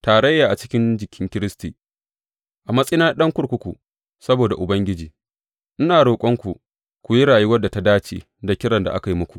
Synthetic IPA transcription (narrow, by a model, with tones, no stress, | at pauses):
taː˨ɾɐ˦jːaː˨ʔa˨t͡ʃɪ̥˦kʲɪ˦nd͡ʒɪ˨kʲʰɪ˦ŋkʲɪ˦ɾɪ˦stiː˨ | ʔa˨mɐ˦sʼɪ˦naː˦ɗɐ˦ŋkʷʊ˦ɽkʷʊ˦kʷu˨ | sɐ˦boː˨da˨ʔʊ˨bɐ˦ŋɡʲɪ˦d͡ʒiː˨ | ʔɪ˦naː˨ɽoː˨kʷʼɔ˦ŋkʷu˨ | kʷu˨ji˦ɽaː˨ju˦wɐ˦dːa˨ta˦daː˦t͡ʃḛː˨ | da˨kʲɪ˦ɽɐ˨nda̰˨ʔa̰˦ka˨ji˦mʊ˦kʷu˨ʔ